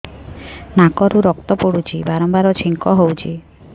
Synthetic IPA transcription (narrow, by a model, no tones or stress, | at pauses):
nakɔɾuɾɔk̚t̪ɔpoɽut͡ʃʰibaɾɔmbaɾɔt͡ʃʰiŋkɔɦowt͡ʃʰi